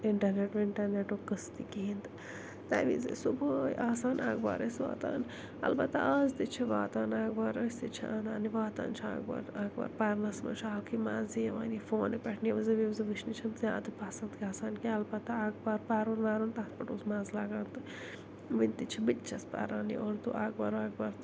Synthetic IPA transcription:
ɪɳʈɐɾneʈʋiɳʈɐɾneʈoːkɐst̪ikiːnt̪ɨ | t̪a̰ːʋḭzḛsubəjaːsaːnaːɡba̰ːɾɐsʋa̰ːt̪a̰ːn | ɐ̰lbɐt̪ːa̰ɐzt̪it͡ʃʰiʋaːt̪aːnaːɡbaːɾɐsʲt̪it͡ʃʰiaːnaːniʋaːt̪a̰ːnt͡ʃʰia̰ːɡba̰ːɾaːɡba̰ːɾpaːɾnɐsmɐ̰nt͡ʃʰaːlkʰimaːzijɐʋaːnifoːnepɐʈʰniʋɐzɐʋizɐʋɨʃnit͡ʃʰɐnzãːt̪ɨpaːsɐnd̪kʲaːsaːnkiɐlbɐt̪ːaaːɡbaːɾpaːɾuɾmaːɾunt̪aːspɐʈuːzmaːzlaːɡaːnt̪ɨ | ʋinʲt̪it͡ʃʰibitt͡ʃɐspa̰ːɾaːnḭʔoːɾt̪uʔaːɡbaːɾaːɡ̚baːɾt̪

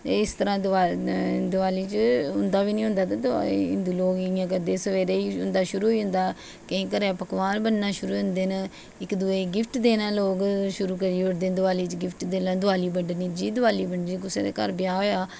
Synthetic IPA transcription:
t̪eɪst̪əɾãːd̪aːd̪ʊaːliːt͡ʃɦʊnd̪aːʋiːnĩːɦʊ̃nd̪aːt̪ad̪ɪ̰nd̪uːloːɡɪjãːk̬əd̪eːsəʋeːɾeːiːɦʊnd̪aːʃʊɾuːoiːɦʊ̃nd̪aː | kəĩːkəɾaːpəkʋaːnbənnaːʃʊɾuːʊ̃nd̪eːnə | ɪkd̪ʊeːɡɪpʰʈd̪eːnãːloːɡʃʊɾuːkəɾiːʊɾd̪eːd̪ʊʋaːliːt͡ʃɡɪpʰʈd̪eːlad̪ʊʋaːliːbəɳɖniːd͡ʒiːd̪ʊʋaːliːbəɳɖd͡ʒik̬ʊsḛːd̪ḛːkəɾbɪjaːɦoːjaː

